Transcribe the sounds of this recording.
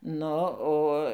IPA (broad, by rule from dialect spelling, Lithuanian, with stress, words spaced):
ˈnʊ ˈoː